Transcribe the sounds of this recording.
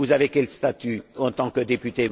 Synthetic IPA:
uzavekʲɛlst̪at̪yɑ̃t̪ɑ̃kəd̪epyt̪e

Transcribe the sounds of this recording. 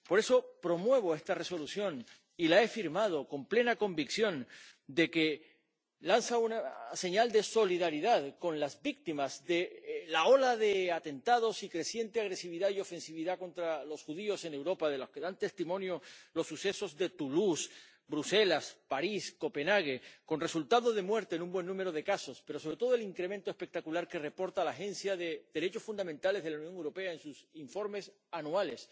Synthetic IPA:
po̞ɾe̞so̞pɾo̞mwe̞β̞o̞e̞st̪are̞so̞luθjo̞n | ilae̞fiɾmað̞o̞ko̞mple̞nako̞mbiksjõ̞nd̪e̞ke̞ | lansaunase̞ɲald̪e̞so̞liðaɾiðaðkõ̞nlazbik̚t̪imazðe̞lao̞laðe̞at̪e̞nt̪að̞o̞sikɾe̞θje̞nt̪eaɣ̞ɾe̞siβiðaio̞fe̞nsiβiðako̞nt̪ɾalo̞sxuð̞io̞se̞ne̞wɾo̞paðe̞loske̞ðant̪e̞st̪imõ̞njo̞lo̞sːuse̞so̞zðe̞t̪ulus | bɾuse̞laspaɾisko̞pe̞naɣ̞e̞ko̞nre̞sult̪aðo̞ðe̞mwe̞ɾt̪enũmbwe̞nːũme̞ɾo̞ð̞e̞kaso̞spe̞ɾos̬oɾet̪oðo̞eliŋkɾe̞mẽ̞nt̪oe̞spe̞k̚t̪akulaɾke̞re̞po̞ɾt̪alaxe̞nsjaðe̞ð̥e̞ɾe̞t͡ʃo̞sfund̪amẽnt̪ale̞zð̞elawnjõ̞ŋewɾo̞pe̞aensusiɱfo̞ɾme̞s | anuale̞s

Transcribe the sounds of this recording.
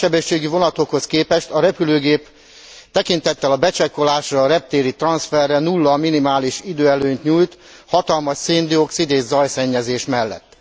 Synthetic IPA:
ɛbɛʃːeːɡyvo̞nɒt̪o̞kho̞skeːpɛʃt̪ɒɾɛpyløːɡeːp | t̪ɛkint̪ɛt̪ːɛlɒbɛt͡ʃɛkːo̞laːʃrɒːɾɛp̚t̪eːɾit̪rɒnsfɛrːɛnulːɒminimaːliʃid̪øːɛløːɲt̪ɲuːjt̪ | hɒt̪ɒlmɒʃseːnd̪io̞ksid̪eːʒzɒjsɛɲːɛzeːʃmɛlːɛ̰t̪ː

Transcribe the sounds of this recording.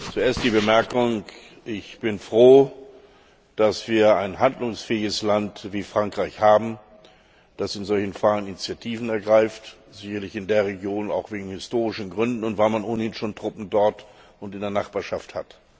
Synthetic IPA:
t͡sueːɐstd̥iːbəmɛɐkʊŋ | ʔɪçb̥ɪnfʁ̥oː | d̥asv̥iːɐaɪnɦandlʊŋsfɛːɪɡəslantv̥iːfʁ̥aŋkʁ̥aɪçhaːbm̩ | d̥asɪnzɔlçn̩faːənɪnit͡sjatʰiːvn̩ɛɐɡʁaɪft | z̥ɪçɐlɪçɪndeːɐʁeɡjoːna̰ʊxv̥eːɡŋ̩hɪstoːʁɪʃn̩ɡʁʏndn̩ʊntv̥aɪlmanoːnəhɪnʃoːntʁ̥ʊpm̩dɔɐt | ʊntɪndeɐnaχb̥aːɐʃaftha̰t

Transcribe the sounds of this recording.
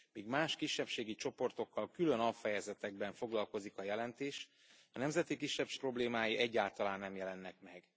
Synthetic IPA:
miːɡmaːʃkiʃːɛpʃeːɡit͡ʃo̞po̞rt̪o̞kːɒlkylø̞nɒfɛjɛzɛt̪ɛɡ̚bɛɱfo̞ɡlɒlko̞zikɒjɛlɛnt̪eːʃ | ɒnɛmzɛt̪ikiʃːɛpʃpro̞bleːmaːjiʔɛɟːaːlt̪ɒlaːnːɛmjɛlɛnːɛkmɛɡ̥

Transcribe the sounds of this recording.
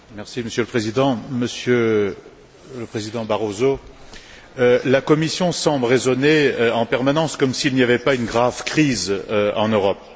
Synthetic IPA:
mɛʁsiməsjøləpχezid̪ɑ̃məsjø | ləpχezid̪ɑ̃baʁozo | lakɔmisjɔ̃sɑ̃blʁezɔneøɑ̃pɛʁmanɑ̃skɔmsilniavɛpaynɡʁavkχizøɑ̰̃nøʁɔp̚

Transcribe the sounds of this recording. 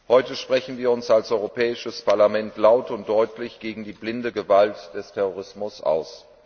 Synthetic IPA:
hɔʏtəʃpʁ̥ɛçn̩viːɐʊnsalsʔɔʏʁopʰɛːɪʃəspʰaɐlamɛntlaʊtʊnt̚d̥ɔʏtʰlɪçɡ̥eːɡŋ̩diːblɪndəɡəvaltd̥ɛstʰɛʁoʁ̞ɪsmʊsʔa̰ʊs

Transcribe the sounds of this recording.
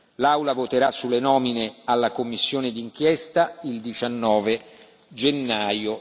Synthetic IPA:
lawlavot̪eɾasːulːenɔːminealːakomːisːjoːned̪iŋk̟jɛst̪aild̪it͡ʃanːɔːve | d͡ʒenːaːjo

